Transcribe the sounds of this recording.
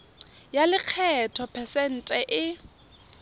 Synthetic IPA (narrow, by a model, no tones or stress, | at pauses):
jalɪq͡χʰɛtʰɔpʰɛsɛn̩tʼɛʔɪ